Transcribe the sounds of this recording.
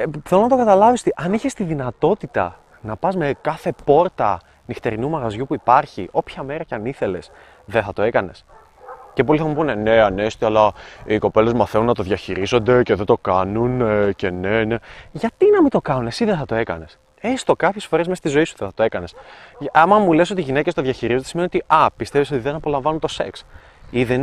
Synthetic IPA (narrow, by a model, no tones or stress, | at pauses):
θelonɐt̪okɐt̪ɐlɐvist̪iʔɐniçest̪iðinɐt̪o̞t̪it̪ɐ̰ | nɐpɐzme̞kɐθe̞po̞ɾt̪ɐ | nixt̪e̞ɾinumɐɣɐzʝupuipɐɾçiʔo̞pçɐme̞ɾɐceɐniθe̞le̞s | ðeθɐt̪o̞e̞kɐne̞s | cep̬o̞liθɐmupunene̞ɐnest̪iɐlɐiko̞pe̞le̞zmɐθenunːɐt̪o̞ðʝɐçiɾizo̞nd̪e̞ce̞ðe̞nd̪o̞kɐnunece̞nene̞ʝɐt̪inɐmit̪o̞kɐnunesiðeθɐt̪o̞e̞kɐne̞s | est̪o̞kɐpçesfo̞ɾe̞zmest̪izo̞isu̥ðeθɐt̪oe̞kɐnesɐmɐmule̞s̬o̞t̪iʝinecest̪oðʝɐçiɾizosimniot̪iʔɐpist̪e̞viso̞t̪iðenɐpo̞lɐ̃ɱvɐnunt̪o̞se̞ks | iðen